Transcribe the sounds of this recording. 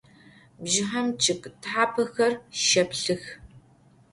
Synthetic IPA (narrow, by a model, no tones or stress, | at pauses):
bʒɪħɐmt͡ʃʰɪkʼtħaːpʰɐxɐrʃɐpɬɨx